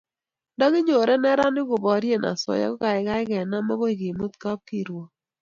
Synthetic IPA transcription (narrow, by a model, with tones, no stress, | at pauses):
dɔ˦ɡɪ˦ɲo˨ɾɛ˦nɛ˦ɾa˦nɪ˦ɡʊ˨bɔ˨˦ɾje˦˨na̰˨sɔ̰˨ja̰˦kɔ˦ka˨ɪ˨ka˦ɪ˦ɡɛ˨na˦ma˦ɡo˦i˨ɡi˨mo˦t̪ka˦p̚ki˨ɾwo˨